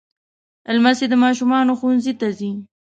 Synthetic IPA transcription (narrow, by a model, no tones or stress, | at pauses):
ɪlmased̪əmɑʃumɑnoxuwnzit̪azi